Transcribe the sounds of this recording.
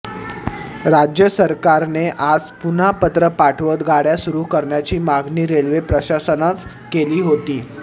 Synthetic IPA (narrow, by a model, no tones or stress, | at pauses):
ɾad͡ʑjəsəɾkaɾneʔad͡zpun̤apət̪ɾəpaʈʰʋəd̪ɡaɽjasuɾuːɦkəɾɳjat͡ɕiːmaɡniːɾelʋepɾəɕasənat͡s | keliːɦot̪iː